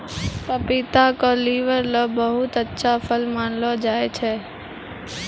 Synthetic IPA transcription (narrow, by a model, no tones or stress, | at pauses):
pəpɪt̪akoliːʋəɾloːbəɦʊt̪ətːʃʰapʰəlmaːnlod͡ʒaːet͡ʃʰeː